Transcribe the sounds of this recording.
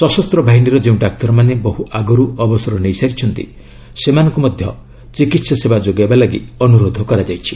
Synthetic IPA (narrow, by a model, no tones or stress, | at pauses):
sɔsɔst̪ɾɔbʱaɦiniɾɔd͡ʒeũɖakt̪ɔɾɔmanebɔɦuʔaɡɔɾuɔbɔsɔɾɔnejsaɾit͡ʃʰɔnt̪ḭ | semanɔ̃ŋkumɔd̪ʱjɔ̰ | t͡ʃikit̪sɔsebad͡ʒoɡajbalaɡḭɔnuɾod̪ʱɔkɔɾad͡ʒajt͡ʃʰi̥